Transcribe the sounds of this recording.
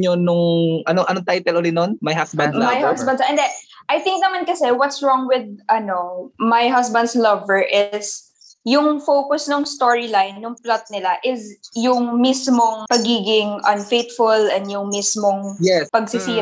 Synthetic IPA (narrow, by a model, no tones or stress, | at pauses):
onʊŋʔɐnoʔɐnoŋt̪ajt̪ɛlʔoːlɪnonmɐjɦasbɐ̃nd̪̚amajhasbɐnd̪sɛ̃nd̪ɛʔɐjt̪ɪ̃ŋk̚nɐmankɐsɛwɔt̪sɹɔŋwɪd̪̚ʔɐnomajɦɐsbɐ̃nd̪slɐvəɹʔɪs | jʊŋfowkʊsnʊŋst̪oɹɪlajnːʊŋplɔt̪̚nɪlaʔɪsjʊŋmismoŋpɐɡiːɡɪŋʔɐ̃nfejt̪̚fʊlɛ̃nd̪jʊŋmismoŋjɛpɐɡsɪsiːɾ